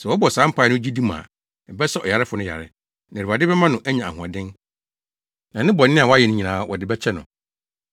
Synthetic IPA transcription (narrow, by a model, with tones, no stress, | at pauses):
sɛ˨wɔ˦bɔ˨sãː˨˦m̩˦pʰa˨˦˨nʊ̃˦d͡ʑi˦dĩ˦mã̰ː˨ | ɛ˨bɛ˦sɛ˦ɔ˨ja˨ɾɪ˦fʊ˨nʊ̃˦ja̰˨ɾɪ̰˦ | nã˨u˨ba˨dɪ˦bɛ˦mã˦nʊ̃˨ʔæ˦ɲã˨a̰˨hũ˨a̰˨dɪ̃˦n | nã˨nɪ̃˦bɔ˨nː˦ɪ̃˦a˨wɔ˦a˦jɛ˨nʊ̃˦ɲĩ˨nãː˨˦wʔɔ̰˨dɪ˨˦bɛ˦t͡ɕʰɛ˦nʊ̃˨